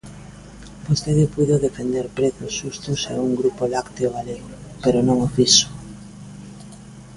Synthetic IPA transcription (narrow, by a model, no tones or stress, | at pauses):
post̪eðepujðoðefend̪eɾpɾeθosʃust̪osauŋɡɾupolakt̪eoɣaleɣopeɾonõŋofiso̥